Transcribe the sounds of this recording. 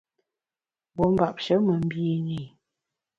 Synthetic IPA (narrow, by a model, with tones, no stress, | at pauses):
bo˨˦m̩˦ba˨p̚ʃə˨˦mə˨m̩˦biː˦ne˨